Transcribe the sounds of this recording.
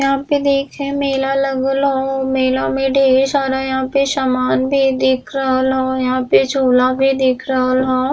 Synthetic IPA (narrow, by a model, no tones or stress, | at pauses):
jɐɦãːped̪eːkʰɦɛ̃meːlaləɡəlɦomeːlãmẽɖʱeːʃaːɾajɐɦãːpeʃamaːnbʱid̪ɪkʰɾəɦəlɦõːjɐɦãped͡ʒoːlabʱid̪ɪːkʰɾəɦəlɦõː